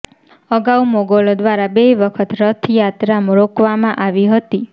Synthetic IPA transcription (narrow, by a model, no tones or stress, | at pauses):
əɡaumoɡolod̪ʋaɾabeʋəkʰət̪ɾət̪ʰjat̪ɾamɾokʋamãʔaʋiɦət̪i